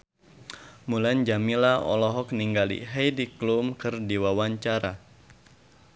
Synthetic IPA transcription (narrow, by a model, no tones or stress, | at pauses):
muland͡ʒamilaʔɔ̰lɔɦɔk̚niŋɡalḭɦejdiklumkɨrdiwawaɲt͡ʃaɾa